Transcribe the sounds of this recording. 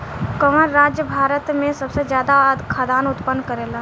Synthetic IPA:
kəmənɾaːd͡ʒjəbʱaːɾət̪mẽsəbsed͡ʒjaːd̪ad̪kʰad̪aːnʊt̪pənːkəɾeːla

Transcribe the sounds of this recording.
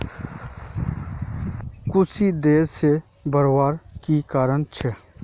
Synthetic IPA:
kʊsid̪eːe | bəɾwaːɾkikaːɾənt͡ʃʰɛ

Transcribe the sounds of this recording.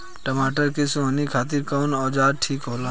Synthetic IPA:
ʈəmaːʈəɾkesoɦnikʰaːt̪̬iɾkɔːnɔːd͡ʒaːd̪̚ʈʰiːkɦola

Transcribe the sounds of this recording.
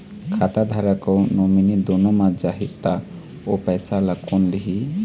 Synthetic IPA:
kʰat̪ad̪ʱaɾakɔnominid̪ɔnɔmad͡ʒaɦit̪̚t̪a | ɔpɛjsalakɔnliɦi

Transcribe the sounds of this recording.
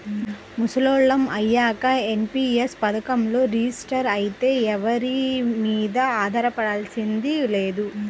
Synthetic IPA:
musɐloːɭːɐmɐjːaːkɐenpiːespɐd̪ɐkɐmlo̞ːɾiːsʈɐɾɐjit̪e̞ːɛʋɐɾimiːd̪ɐaːd̪ʱɐɾɐpɐɽaːlsind̪ile̞ːd̪u

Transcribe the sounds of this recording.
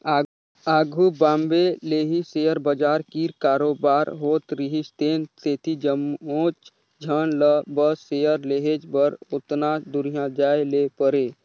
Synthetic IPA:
a | aːɡʱubãːmbeleːɦisejəɾbəd͡ʒaːɾkiɾkaːɾoːbaːɾɦoːt̪ɾiɦist̪enset̪ʰid͡ʒəmoːt͡ʃ | d͡ʒʱənləbəsːejəɾleɦed͡ʒbəɾʊt̪nad̪ʊɾijãd͡ʒaːelepəɾeː

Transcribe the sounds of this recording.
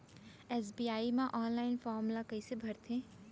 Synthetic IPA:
eːs̬biːaːimãʔɔːnlaːɪnfɔːɾmʊlakɐisebʱɐɾt̪ʰẽː

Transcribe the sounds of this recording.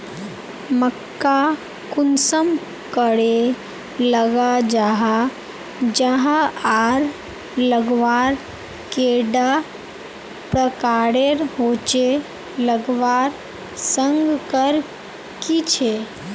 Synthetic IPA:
məkːa | kunsəm | kəɽe | ləɡad͡ʒaɦa | d͡ʒəɦaaɾ | ləɡʋaɾ | keɖa | pɾəkaɽeɾɦot͡ʃe | ləɡʋaɾ | səŋɡkəɾ | kit͡ʃʰe

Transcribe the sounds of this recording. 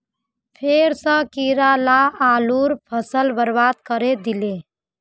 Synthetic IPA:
pʰeːɾsəkiɾalaaːluːɾpʰəsəlbəɾʋaːd̪kəɾed̪ɪle

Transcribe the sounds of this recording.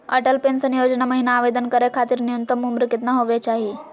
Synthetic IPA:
ə̰ʈəlpensənjod͡ʑnaməɦinaːʋed̪ənkəɾekʰat̪iːɾnijunt̪əmumɾikit̪naɦoʋet͡ɕaɦi

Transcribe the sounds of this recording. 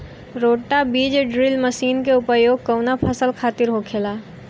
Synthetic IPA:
ɾoːʈːabiːd͡ʒɖɾilməsiːnkeʊpəjoːɡ̚kəʊnapʰəsəlkʰaːt̪ɪɾɦokʰeːlaː

